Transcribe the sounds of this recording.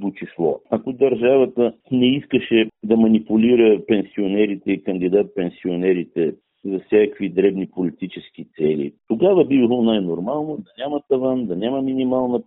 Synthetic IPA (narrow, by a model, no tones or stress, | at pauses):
b̪ot͡ʃislˠɔ̰ɐkod̪ɐɾʒavət̪ənɛiskəʃɛd̪ɐmɐnipʊliɾəpɛnsionɛɾit̪ɛikənd̪id̪at̪̚pɛnsionɛɾit̪ɛ | zɐfsʲjakvid̪ɾɛbnipolit̪it͡ʃɛsk̟it̪sɛlḭt̪oɡavəbibilˠonajnoɾmalˠnod̪ɐnʲamɐt̪ɐvand̪ɐnʲamɐminimalˠnə